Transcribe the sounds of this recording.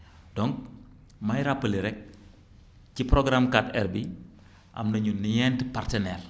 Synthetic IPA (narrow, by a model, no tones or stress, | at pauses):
dɔŋk̚ | mɐjɾapːəliɾɛk̚ | cipɾɔɡɾamkatɛrbi | ʔɐ̰mnɐɲunijɛntpartɛnɛːr